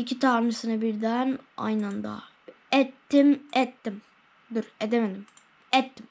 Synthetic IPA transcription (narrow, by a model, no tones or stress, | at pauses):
icʰʲit̪ʰaɾmɯsɯnɯbiɾd̪æna̰jnand̪a̰ | ɛt̪ːimɛt̪ːim | d̪iɾed̪emed̪im | ɛt̪ːim